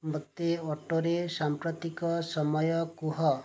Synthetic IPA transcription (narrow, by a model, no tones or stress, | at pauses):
mɔt̪ːeɔʈoɾesampɾɔt̪ikɔsɔmɔjɔkuɦɔ